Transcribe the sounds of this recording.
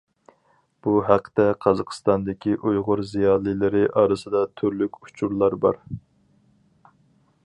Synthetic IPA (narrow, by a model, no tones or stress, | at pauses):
b̥uɦæqʰːət̪ɛqʰɑzɑqʰst̪ɑnd̪ɪkʲiʔujʁʊɾzijɑːlˠɨjlɪɾɪʔɑːɾɨsɨd̪ɑt̪ʰyɾlykʲu̥t͡ʃʰuɾlˠɑɾbɑ̰ɾ